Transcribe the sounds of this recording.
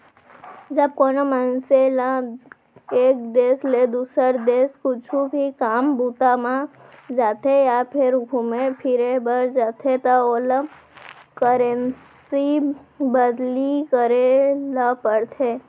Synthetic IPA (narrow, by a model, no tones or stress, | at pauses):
d͡ʒəb̚koːnomənselã | eːk̚d̪eːsled̪uːsəɾd̪eːskʊt͡ʃʰubʱikaːmbuːt̪amã | d͡ʒaːt̪ʰejapʰɪɾɡʱʊmepʰɪɾebəɾd͡ʒaːt̪ʰet̪aolə | kəɾen | sibəd̪likəɾelapəɽt̪ʰeː